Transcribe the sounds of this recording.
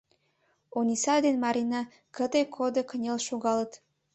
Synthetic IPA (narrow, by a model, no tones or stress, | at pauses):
onʲisɑd̪enmɑɾinɑ | kət̪ekʰod̪əkənʲelʃoɣɑlət̪